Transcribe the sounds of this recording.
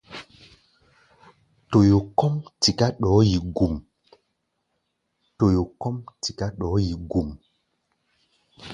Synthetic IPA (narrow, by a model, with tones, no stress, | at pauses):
to˨jo˨kɔ˦mti˨ka˦ɗɔː˨˦ji˨ɡu˨m | to˨jo˨kɔ˦mti˨ka˦ɗɔː˨˦ji˨ɡu˨m